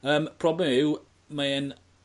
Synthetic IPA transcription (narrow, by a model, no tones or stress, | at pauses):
əːmpʰrɔblɛmɪw | maɛn